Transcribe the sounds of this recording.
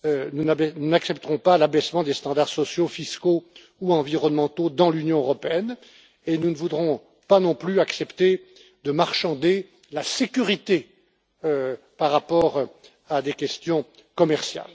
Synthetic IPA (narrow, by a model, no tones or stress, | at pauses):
ønunbɛnunaksɛpt̪əʁɔ̃palabɛsmɑ̃d̪est̪ɑ̃d̪aʁsɔsjofisko | uɑ̃viʁɔnmɑ̃t̪od̪ɑ̃lynjɔ̃øʁɔpeɛn | enunəvud̪ʁɔ̃ | panɔ̃plyaksɛpt̪e | d̪əmaʁʃɑ̃d̪e | lasekʲyʁit̪e | ø | paʁːapɔʁ | ad̪ekʲɛst̪jɔ̃ | kɔmɛʁsja̰l